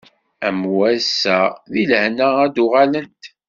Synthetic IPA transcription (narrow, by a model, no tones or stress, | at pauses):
æmwæsːæðilhnææd̪ʊʁalənt̪